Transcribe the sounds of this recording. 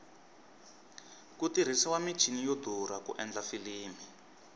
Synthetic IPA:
kutiɾ̤isiwami̥t͡ʃʰinijod̪ʱuɾakṵʔɛnd͡ɮafiliːmi

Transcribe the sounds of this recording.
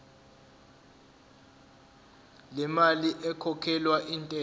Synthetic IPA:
lɛmaliʔɛkʰɔkʰɛlwaʔiːntʼɛ

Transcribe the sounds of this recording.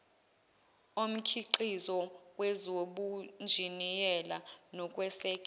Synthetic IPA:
om̩kʰiǃizɔwɛzoɓund͡ʒʱinijɛlanɔkʼwɛsɛːkʼ

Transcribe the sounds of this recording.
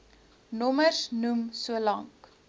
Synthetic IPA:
nɔmərsnumsuəlɐŋk

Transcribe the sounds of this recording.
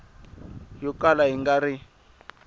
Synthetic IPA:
jɔkalaɦiŋɡaɾi

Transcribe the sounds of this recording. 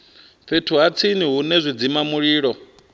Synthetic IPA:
ɸetʰuɦat͡sʰiniɦunɛzʷid͡zimamuɺiːɺɔ

